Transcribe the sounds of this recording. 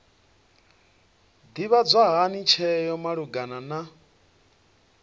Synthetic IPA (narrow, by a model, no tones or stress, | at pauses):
d̪iβad͡zʷaɦanit͡ʃʰɛjɔmaɺuɡanana